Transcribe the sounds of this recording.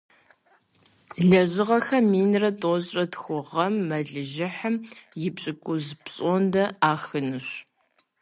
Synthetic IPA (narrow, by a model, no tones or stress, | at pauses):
ɮɐʑɪʁɐxɐmiːnrɐtʼoɕʼɐtxʷʊʁɐmːɐɮɨʒɪħəmjɪpɕʼɪkʷʼʊzpɕʼondɐaːxɨnɨɕ